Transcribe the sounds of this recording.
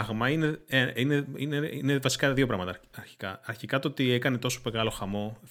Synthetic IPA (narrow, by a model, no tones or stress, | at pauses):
ɐɣmɐine̞eineineinevɐsi̥kɐðiopɾɐɣmɐt̪ɐɐɾçi̥kɐɐɾçikɐt̪oot̪iekɐne̞t̪o̞so̥peɣɐlo̞xɐmo̞